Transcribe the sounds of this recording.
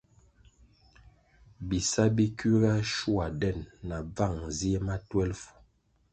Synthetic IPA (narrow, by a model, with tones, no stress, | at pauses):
bi˨sa˦bi˦ki˦ɡa˦ʃu˦a˨dɛ˦˨nːa˨b͡va˦˨ŋzi˦e˦ma˦twɛ˦lfu̥˨